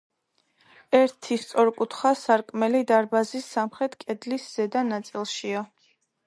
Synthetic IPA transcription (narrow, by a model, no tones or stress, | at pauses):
ɛɾt̪ʰist̪sʼɔɾkʼut̪ʰχasaɾkʼmɛlid̪aɾbazisːamχɾɛt̪ʰkʼɛd̪lisz̥ɛd̪anat̪sʼilˠʃia